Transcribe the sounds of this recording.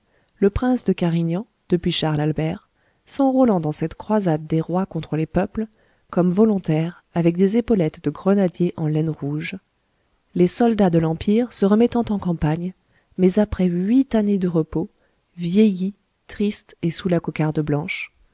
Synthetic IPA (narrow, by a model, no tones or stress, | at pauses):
ləpχɛ̃sd̪əkaʁiɲɑ̃ | d̪̥əpɥiʃaʁlalbɛʁ | sɑ̃ʁulɑ̃d̪ɑ̃sɛt̪kχwazad̪ːeʁwakɔ̃t̪χəlepœpl | kɔmvɔlɔ̃t̪ɛʁ | avɛk̚d̪ezepɔlɛt̪d̪əɡʁənad̪jeʔɑ̃lɛnʁuʒ | lesɔld̪ad̪əlɑ̃piʁsəʁəmɛt̪ɑ̃t̪ɑ̃kɑ̃paɲ | mɛzapχɛɥit̪aned̪əʁəpo | vjeji | t̪χist̪esulakɔkaʁd̪əblɑ̃ʃ